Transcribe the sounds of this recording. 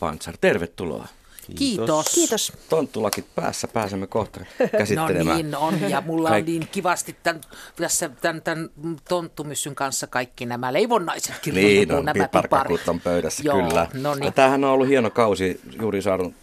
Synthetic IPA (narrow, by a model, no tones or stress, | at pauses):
pɑ̰nt̪sɑrt̪erʋet̪tulo̰ɑ | kiːt̪oskiːt̪ost̪ont̪ːulɑkit̪̚pæ̰ːsːæpæːsemːekoht̪ɑrkæsiːenlḛmæ̰nonjɑmulːɑɑnniːŋkiʋɑst̪it̪tænt̪æsːæt̪ænt̪ænt̪ont̪ːumysːyŋkɑnsːɑkɑikːinæmæleiʋonːɑise̥t̪kirniːno̰nnæmæpɑrkpːɑrut̪ːompøyɾæsːæjokylːænonijɑt̪æːhænːoolːuhienokɑusi | juːrisɑːtun